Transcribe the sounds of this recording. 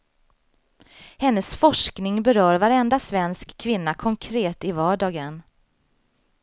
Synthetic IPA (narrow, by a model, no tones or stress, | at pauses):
hɛnːəsfɔʂknɪŋbɛɾœːɾvaɾɛnd̪asvɛnskʰːvɪnːakʰɔŋkʰɾeːt̪ɪvɑːɖɑːɡən